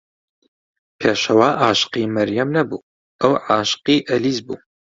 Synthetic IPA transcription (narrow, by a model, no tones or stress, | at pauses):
pʰeːʃɐwaːʔaːʃqiːmɐɾjɐmnɐbuː | ʔɐwʕaːʃqiːʔɐliːzbṵː